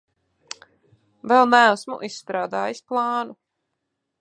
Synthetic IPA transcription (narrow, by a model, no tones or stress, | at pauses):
vɛlˠnææsmṵʔisːt̪ɾaːd̪aːjisplˠɑːnu